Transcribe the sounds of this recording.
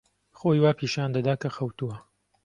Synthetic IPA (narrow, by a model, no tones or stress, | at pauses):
xoːjwaːpʰiːʃand̪ɐd̪aːkɐxɐwt̪uɐ